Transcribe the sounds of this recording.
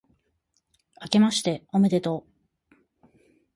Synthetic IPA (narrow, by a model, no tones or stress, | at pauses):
ake̞maɕi̥t̪e̞ome̞d̪e̞t̪o̞